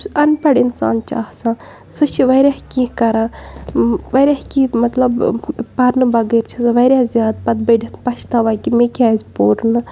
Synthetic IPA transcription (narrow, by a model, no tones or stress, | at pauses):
ɐnpɐɽinsa̰ːnt͡ʃa̰ːhsãː | sɨt͡ʃʰiʋɐɾʲaːhkʲikɐɾãː | ʋɐɾʲaːhkimɐt̪lɐbpɐɾnɨbɐɡɐːɾt͡ʃʰisʋɐɾʲaːzjaːd̪̚pɐd̪̚bɐɖʲit̪pɐʃʰt̪aːʋaːkimekʲaːzʲpoːɾnɨ